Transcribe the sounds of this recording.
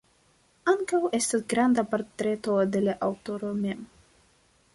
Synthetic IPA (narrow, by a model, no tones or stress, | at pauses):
aŋkawe̞st̪asɡɾand̪apoɾt̪ɾe̞t̪o̞d̪e̞laʔawto̞ɾome̞m